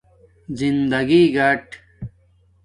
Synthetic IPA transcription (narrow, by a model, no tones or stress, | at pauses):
zind̪ɐɡiɡɐʈ